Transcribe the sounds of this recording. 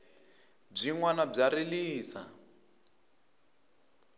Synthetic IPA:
b͡ʐiŋwanab͡ʐaɾiliːsa̰

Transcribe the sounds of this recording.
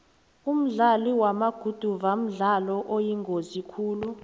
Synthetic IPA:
um̩ɮaliwamaɡ̥ʱud̥ʱuvam̩ɮalɔʔojiŋɡʱozikʰuːlu

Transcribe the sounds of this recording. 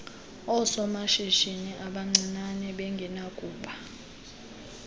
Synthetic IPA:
ɔsɔmaʃiʃiniʔaɓaŋ͡ǀinanɛɓɛŋɡʱɛnakʼuːɓa

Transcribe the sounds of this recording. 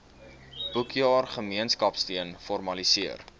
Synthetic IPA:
b̥ukjɑːrχəmiənskɐpstiənfɔrmɐlisiər

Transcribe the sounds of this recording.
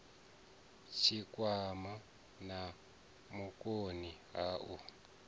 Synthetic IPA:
t͡ʃʰikʼwama | na | mukʼoniɦaːʔu

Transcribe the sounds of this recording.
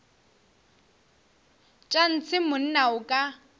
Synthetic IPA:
t͡ʃʼan̩t͡sʰɪmʊn̩naʊkʼa

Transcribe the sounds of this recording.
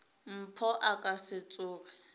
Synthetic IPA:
m̩pʰɔʔakʼasɪt͡sʼʊːkɛ

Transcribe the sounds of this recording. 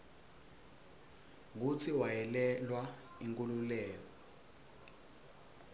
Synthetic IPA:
k̬ut͡sʰiwajɛlɛlwa | iŋkʼululɛːk̬ɔ

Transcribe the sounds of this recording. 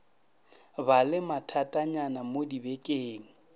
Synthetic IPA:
balɪmatʰatʼaɲanamodibɛkʼeːŋ̩

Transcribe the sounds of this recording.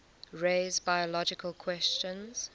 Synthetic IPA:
ɹeːzbaɪɔlɔd͡ʒɪkʰəlˠkʰwɛst͡ʃə̃nz̥

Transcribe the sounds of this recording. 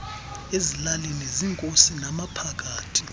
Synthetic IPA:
ezilalineziŋkʼosinamapʰak̬ʼaːtʰi̥

